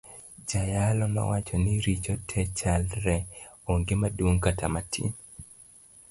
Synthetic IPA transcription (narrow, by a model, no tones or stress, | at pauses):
d͡ʒajalɔnɔ̰wat͡ʃɔnɪɾit͡ʃɔtʰɛt͡ʃalɾɛoŋɡɪmadwoŋkatʰamatʰḭ